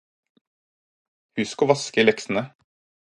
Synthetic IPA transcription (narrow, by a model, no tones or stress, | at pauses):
hʉskoːʋɑskəiːlɛksn̩ə